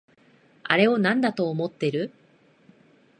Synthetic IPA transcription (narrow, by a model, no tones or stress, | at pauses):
a̰ɾe̞o̞nãnd̪at̪o̞ːmo̞t̪ːe̞ɾɯ̟